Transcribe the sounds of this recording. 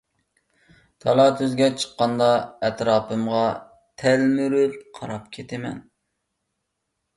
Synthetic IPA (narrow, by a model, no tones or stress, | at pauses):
t̪ʰɑlˠɑːt̪ʰøzɡʲɛt͡ʃʰə̥qːɑnd̪ɑɛt̪ɾɑːpʰɨmʁɑ | t̪ʰɛlmyɾylqʰɑɾɑpkʲʰet̪ʰɪmɛ̰n